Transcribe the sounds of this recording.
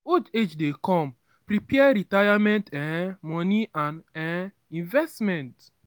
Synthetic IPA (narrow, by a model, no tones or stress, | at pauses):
od͡ʒed͡ʒdekɔm̩ | pɾipjɛɾitajamɛ̃ntɛmɔniʔãnɛ | ĩnvɛstmɛ̃nt